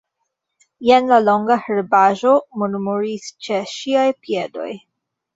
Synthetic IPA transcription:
jenlalo̞ŋɡaheɾbaʒo̞muɾmuɾist͡ʃe̞ʃiajpiedo̞̰j

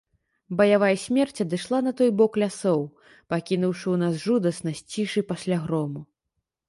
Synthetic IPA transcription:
bɐjavajsʲmʲɛrt͡sʲɐd̪ɨʂlˠan̪ɐt̪ɔjbɔklʲasɔw | pakʲinuwʂɨwnasʐud̪ɐsnɐsʲt͡sʲiʂɨpasʲlʲaɣɾɔmu

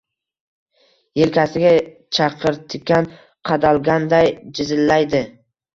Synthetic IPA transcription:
jelkʲʰasɪɡʲa | t͡ʃʰɑqʰɨɾt̪ʰɪkʲːan | qʰɑd̪alˠɡʲand̪ajd͡ʒɪzɪlːajd̪ɪ

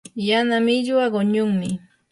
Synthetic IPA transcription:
janamɪʎwaɢʊɲʊŋmɪ

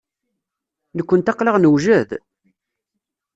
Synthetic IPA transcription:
nəkʷːənt̪ɑqləʁnəwʒæð

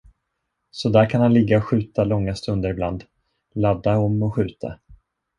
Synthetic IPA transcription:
sɔd̪æːɾkʰanhanlɪɡːaɔɧʉ̟ːt̪alɔŋːast̪ɵnd̪əɾɪbland̪ | lad̪ːaɔmːɔɧʉ̟ːt̪ʰa̰

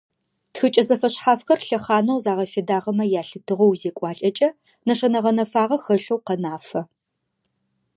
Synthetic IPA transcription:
txɨt͡ʃʼɐzɐfɐɕħaːfxɐrɬɐχaːnɐwzaːʁɐfedaːʁɐmɐjaːɬɨtʰɨʁɐwzeːkʷʼɑːɬʼɐt͡ʃʼɐ | nɐʂɐnɐʁɐnɐfaːʁɐxɐɬowqɐnaːfɐ

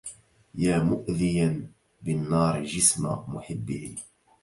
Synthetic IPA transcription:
jaːmʊʔðɪjan | bɪnːɑːɾˤʒɪsma̰mʊħɪbːɪhḭ

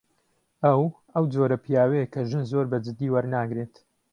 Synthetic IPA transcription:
ɐw | ɐwd͡ʒoɾɐpʰijaːwejkʰɐʒɨnzoɾbɐd͡ʒɨd̪ːiːwɐɾnaːɡɾet̪

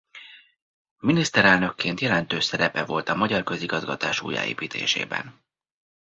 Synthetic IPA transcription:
minist̪ɛɾɛlnøkːeːnt̪jɛlɛnt̪øːsɛɾɛpɛvo̞lt̪ɒmɒɟɒrkø̞ziɡɒzɡɒt̪aːʃṵːja̰ːḛːpiːt̪ʰḛːʃḛːbɛ̰n

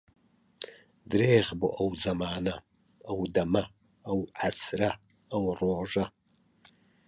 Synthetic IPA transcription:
dreːʁbṵʔɐwzɐmaːnɐ | ɐwdɐmɐ | ɐwʕasrɐ | ɐwroːʒɐ

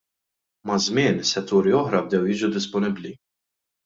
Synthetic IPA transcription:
mɐzmɪːnsɛt̪ːuːɾiɔħɾɐb̚d̪ɛwjɪːd͡ʒud̪ɪspɔnɪbli

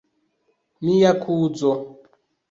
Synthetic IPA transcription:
mijakʰuːd͡zɔ

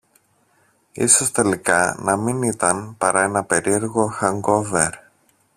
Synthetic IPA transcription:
ḭsost̪e̞likɐnɐminit̪ɐnpɐɾɐe̞nɐpe̞ɾie̞ɾɣo̞xɐŋɡo̞ve̞ɾ

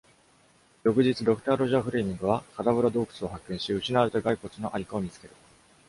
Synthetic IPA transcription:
jo̞kɯ̟ʑit͡sɨd̪o̞kɯ̟̥t̪aːɾo̞ʑaɸɯ̟ɾeːmʲĩŋɡɯ̟β̞akad̪abɯ̟ɾad̪o̞ːkɯ̥t͡sɨo̞hakːẽ̞ɰ̃ɕiɯ̟ɕinaɾɯ̟t̪oɡaiko̞t͡sɨno̞ʔaɾʲikaomʲit͡sɨ̥ke̞ɾɯ̟

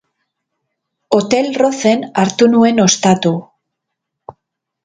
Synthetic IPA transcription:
o̞t̪e̞lro̞θe̞naɾt̪unue̞no̞st̪at̪u

